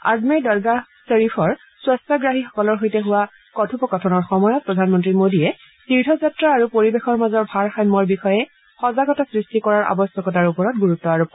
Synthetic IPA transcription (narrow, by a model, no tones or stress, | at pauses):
a̰zmiɹdɔɹɡaseɹipʰɔɹ | swastɔɡɹaɦixɔ̥kɔlɔɹɦojtɛɦuwa | kɔtʰupɔkɔtʰɔnɔɹxɔmɔjɔt̚pɹɔdʱanmɔntɹimodiɛ | tiɹdʱɔzatɹaːɹupoɹibexɔɹmazɔɹbʱaɹxajmɔɹbixɔjɛ | xɔzaɡɔtɔsɹistikɔɹaɹʔa̰bɔstɔkɔtaɹupɔɹɔt̚ɡuɹutːɔaɹup